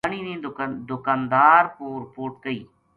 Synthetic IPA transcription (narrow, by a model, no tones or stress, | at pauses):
əɳ̃iːnẽːd̪ʊkaːnd̪aːɾpuːɾpoːɾʈ̚kəḭː